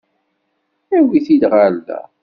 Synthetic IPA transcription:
æwiθid̪ʁald̪æ̰

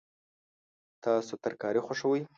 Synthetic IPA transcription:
t̪ɑsot̪aɾkɑɾixoʂəwəj

